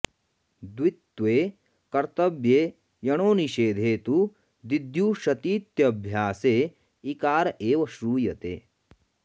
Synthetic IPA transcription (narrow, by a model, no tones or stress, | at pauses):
d̪wit̪ːʋeː | kɐɾt̪ɐbjeː | jɐɳ̃oːniʃeːd̪ʱeːt̪u | d̪id̪ʱjuːʃɐt̪iːt̪jɐːbʱjaːseː | ikaːɾɐʔeːʋɐʃɾuːjɐt̪ḛː